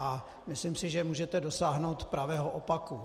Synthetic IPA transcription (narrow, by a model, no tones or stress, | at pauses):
a | mɪslɪmsɪʒɛmuːʒɛt̪ɛdo̞saːɦnowt̪pɾavɛːɦoʔopaku